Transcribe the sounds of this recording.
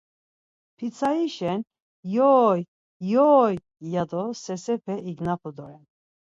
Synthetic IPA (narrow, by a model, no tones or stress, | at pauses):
pʰit͡sʰaiʃɛn | jɔːj | jɔːj | jad̪ɔsɛsɛpʰɛiɡnapʰɔd̪ɔɾɛn